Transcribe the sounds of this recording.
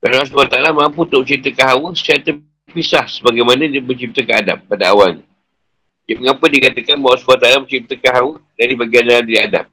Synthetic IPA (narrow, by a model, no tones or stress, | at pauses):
kanas̬buat̪aalamãmput̪ʊʔmt͡ʃit̪əkaɦawəsat̪ə | pisahsəbaɡajmanãbət͡ʃip̚t̪əkəada̰pːadaawalɲi | jaməŋapədikat̪əkanbawsbuat̪aalamt͡ʃip̚t̪əkaɦawədaɾibaɡianladiiada̰p̚